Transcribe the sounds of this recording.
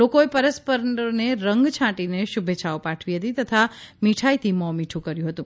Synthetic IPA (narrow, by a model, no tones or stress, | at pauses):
lokoepəɾəspəɾəɳɖoneɾəŋɡt͡ʃʰãʈineʃubʱet͡ʃʰaopãʈʰʋiɦət̪it̪ət̪ʰamiʈʰajt̪ʰimɔmiʈʰũkəɾjũɦət̪ũ